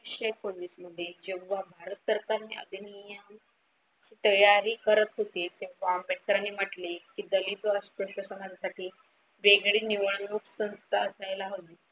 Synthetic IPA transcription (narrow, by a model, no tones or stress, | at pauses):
ɕəkonːisməd̪ʱːjed͡ʑeɡʋabʱaɾət̪səɾkaɾniʔə̰d̪inijam | hiːt̪əjaɾiːkəɾət̪ɦot̪et̪eʋambeʈ̚kəɾaniːm̤aʈlekid̪əlit̪əspəɕəsəŋansaʈʰiː | ʋeɡɽiːniʋəɳnuksə̃nst̪ʰaəsajlaɦot̪i